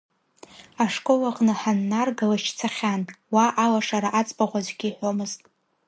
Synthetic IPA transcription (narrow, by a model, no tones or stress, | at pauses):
aʂkʼo̞laqʼnɨħanːarɡalat͡ʃʰt͡sʰaχʲanwaʔalaʂaɾaʔat͡sʼpʼaʁʷazʷɡʲiħʷo̞mɨztʼ